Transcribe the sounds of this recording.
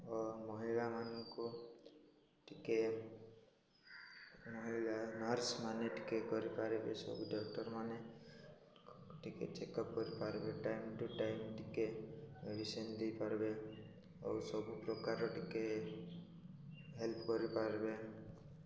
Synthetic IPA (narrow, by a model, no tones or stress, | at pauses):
ɔmɔɦilamanɔŋku | ʈike | mɔɦilanɔɾsmaneʈi̥kekɔɾipaɾebesɔ̰buɖɔkʈɔɾmane | ʈikḛt͡ʃekɔp̚kɔɾipaɾbeʈajmʈuʈajmʈikemeɖisɔnd̪ejpaɾbe | ɔwsɔbupɾɔkaɾɔʈike | ɦelpkɔɾipaɾbe